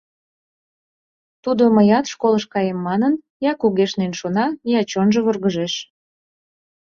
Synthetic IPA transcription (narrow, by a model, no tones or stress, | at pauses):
t̪ud̪oməjɑt̪ʃkoləʃkɑjemːɑnən | jɑkuɣeʃnenʃonɑniɑt͡ɕonʒəβurɣəʒeʃ